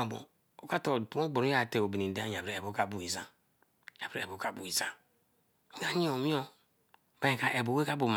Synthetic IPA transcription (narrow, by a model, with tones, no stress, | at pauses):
a˨bo̰˨ | o˨ka˦to˨tu˨˦o˦ɡ͡bo˨ɾu˦a˨te˨o˨bi˨ni˨de˦a˦ɲ˨a˨bɾe˨e˨bo˦ka˦˨bu˨i˨za˦ | ja˨bɾe˦˨e˨bo˨˦ka˨bu˨i˨za˦ | ɡa˦ɲi˦o˨mi˦o˦ | ba˦ẽ˨ka˨ʔe˨bo˨we˦ka˦bu˨m˨